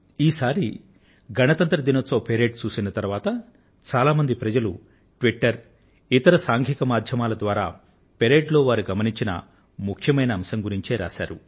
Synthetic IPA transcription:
iːsaːɾḭ | ɡʱɐnɐt̪ɐnt̪ɾɐd̪inɐt͡soːpeɾe̞ːɖt͡ʃuːsinɐt̪ɐɾʋaːt̪ɐ | t͡ʃaːlaːmɐnd̪ipɾɐd͡ʒɐlu | ʈʋiʈːɐɾ | it̪ɐɾɐsaːŋɡʰʱikɐmaːd̪ʱjɐmaːlɐd̪ʋaːɾaː | peɾeːɖlo̞ːʋaːɾuɡɐmɐniɲt͡ʃinɐ̰ | mukʰjɐmɐjnɐːmsɐŋɡuɾiɲt͡ʃeːɾa̰ːʃa̰ːɾṵ

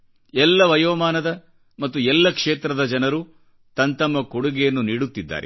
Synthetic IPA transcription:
ɛlːɐʋɐjoːmaːnɐd̪ɐ | mɐt̪ːuɛlːɐkʂeːt̪ɾɐd̪ɐd͡ʒɐnɐɾu | t̪ɐnt̪ɐmːɐkoɽuɡɛjɐnːuniːɽut̪ːid̪ːa̰ːɾɛ̰

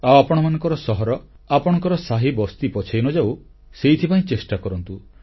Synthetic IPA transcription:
awapɔɽ̃ɔmanɔŋkɔɾɔsɔɦɔɾɔ | apɔɽ̃ɔ̃ŋkɔɾɔsaɦibɔst̪ipɔt͡ʃʰajnɔd͡ʒaw | seit̪ʰipaĩt͡ʃesʈakɔɾɔnt̪u

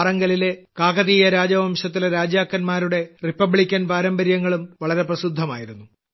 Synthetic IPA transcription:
rɐŋɡɐlile̞kaːɣɐðiːjɐɾaːd͡ʑɐʋɐmɕɐt̪ːilɾaːd͡ʑjaːkːɐnmaːɾuɽe̞ripːɐbɭikʲːɐnpaːɾɐmbɐɾjɐŋːɐɭumʋɐɭɐɾe̞prɐsud̪ʱːɐma̰ːjiɾunːu

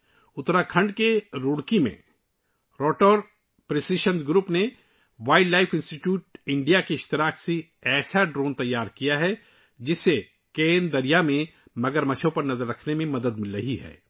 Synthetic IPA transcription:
ʊt̪ɾakʰɐ̃ɳɖkeɾuːɽkimḛ̃ | ɾɔːʈəɾ | pɾɪsiʃə̃nsɡɾuːpne | ʋaːɪɖlaːɪfʰɪ̃nsʈiʈjuːʈ̚ɪ̃ɳɖijakeɪʃt̪ɪɾaːkse | ɛːsaɖɾoːnt̪ɐjːaːɾkijaɦɛ | d͡ʒɪsːe | keːnd̪ɐɾijamẽ | mɐɡəɾmɐt͡ʃʰõpɐɾnɐzəɾːɐkʰnemẽmɐd̪əd̪mɪlɾɐɦiɦɛ̰ː

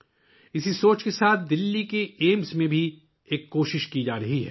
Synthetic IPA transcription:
ɪsisoːt͡ʃkesaːt̪̚ʰd̪ɪlːikeeːmsmẽbʱi | eːkːoːʃɪʃkid͡ʒaːɾɐɦiɦɛ̰

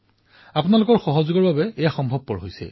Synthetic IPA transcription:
apʊnalʊkɔɹxɔɦɔzʊɡɔɹbabɛɛjaxɔmbʱɔb̚pɔɹɦojsɛ̰

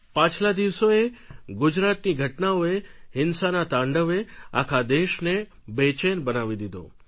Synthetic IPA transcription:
pãt͡ʃʰlad̪iʋsoeɡʊd͡ʒɾat̪niɡʱəʈnaoeɦɪnsanat̪ãɳɖəʋea̰kʰad̪eʃne | bet͡ʃenbənaʋid̪id̪o̰

